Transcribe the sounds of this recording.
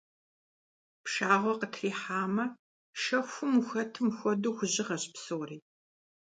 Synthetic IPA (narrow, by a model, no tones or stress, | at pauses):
pʂaːʁʷɔqətʰriːħaːmɐ | ʃɐxʷʊmuxɐtʰɨmxʷɔduːxʷʊʑɪʁɐɕpsowriː